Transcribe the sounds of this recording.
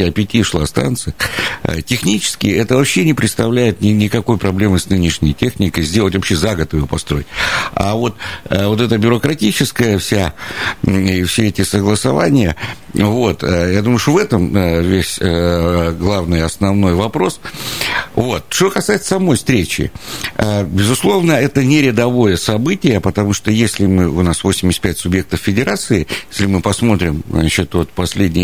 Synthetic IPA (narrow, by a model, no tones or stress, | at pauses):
ɐpʲɪtʲifʂlˠa̰st̪a̰nt̪sɨjə̰tʲɪxnʲit͡ɕɪ̥skʲɪjɛt̪əvɐpɕːenʲɪpɾʲɪt̪st̪ɐvlʲæjɪt̪̚nʲɪnʲɪkɐko̞jpɾɐblʲe̞mɨsnɨnʲɪʂnʲɪ̰jtʲe̞xnʲɪkəjzʲdʲe̞lˠətʲvɐpɕːezaɡət̪ɨjopɐst̪ɾo̞jɪtʲa̰vo̞t̪vo̞t̪ɛt̪əbʲʊɾəkɾɐtʲit͡ɕɪskəjəfsʲa | fsʲeɛtʲɪsəɡlˠəsɐvanʲɪjə | vo̞t̪əjad̪uməʊʂovɛt̪əmvʲesʲ | ɡlˠavnɨjɐsnɐvno̞jvɐpɾo̞s | vo̞t̪̚ʂt̪okɐsajɪt̪sə̥sɐmo̞jfst̪ɾʲet͡ɕɪ̰əbʲɪzʊslˠo̞vnəɛt̪ənʲɪɾʲɪd̪ɐvo̞jəsɐbɨtʲɪjəpət̪ɐmuʂt̪o̞jesʲlʲɪmɨʊnasvosʲɪmʲɪsʲt̪̚pʲætʲsʊbje̞k̚t̪əffʲɪdʲɪɾat̪sɨɪjesʲlʲɪmɨpɐsmo̞t̪ɾʲɪmat͡ɕɪt̪vo̞t̪pɐsʲlʲedʲnʲɪj